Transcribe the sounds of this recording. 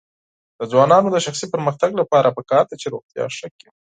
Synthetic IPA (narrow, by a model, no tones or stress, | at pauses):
d̪̥əzwɑnɑnod̪əʃaxsipəɾməxt̪aɡlapɑɾʔapəkɑɾd̪at͡ʃeɾoɣt̪jɑ̰ʃəki